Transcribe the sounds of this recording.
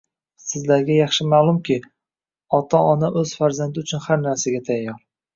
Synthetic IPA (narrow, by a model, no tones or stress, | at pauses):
sɪzlaɾɡʲajɑχʃɪmaːlˠʊmkʲʰɪ | ɒt̪ʰaɒnaʔɵz̥faɾzand̪ɪʊt͡ʃʰʊnhaɾnaɾsaɡʲat̪ʰajːɒɾ